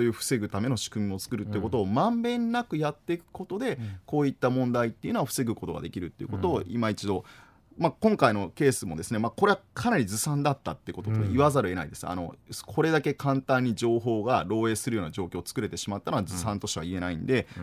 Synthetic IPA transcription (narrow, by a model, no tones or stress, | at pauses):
oːjɯ̟ːɸɯ̟̥se̞ɡɯ̟t̪ame̞no̞ɕi̥kɯ̟mʲio̞t͡sɨ̥kɯ̟ɾɯ̟t̪ːeɯ̟ko̞t̪o̞ːmãmbẽ̞nːakɯ̟jat̪ːe̞ikɯ̟̥ko̞t̪o̞d̪e̞ko̞ːit̪ːamõ̞nd̪ait̪ːe̞iɯ̟noaɸɯ̟̥se̞ɡɯ̟ko̞t̪o̞ɡa̰d̪e̞kʲiɾɯ̟t̪ːe̞jɯ̟ko̞t̪o̞ːḭmait͡ɕid̪o̞ | makõ̞ŋkaino̞ke̞ːsɨmo̞d̪e̞sɨne̞mako̞ɾe̞akʰanaɾʲizɨsãnd̪at̪ːat̪ːeiɯ̟ko̞t̪ot̪od̪ḛiβazaɾɯ̟e̞na̰id̪e̞sɨ̥a̰no̞̰skʰo̞ɾe̞d̪ake̞kʰãnt̪ãɲ̟ːiʑo̞ːɦo̞ːɡaɾo̞ːe̞ːsɨɾɯjo̞ːnad͡ʑo̞ːkʲo̞ːt͡sɨ̥kɯ̟ɾe̞t̪e̞ɕimat̪ːanoazɨsãnt̪o̞ɕiβa̰ie̞naḭ̃nd̪e̞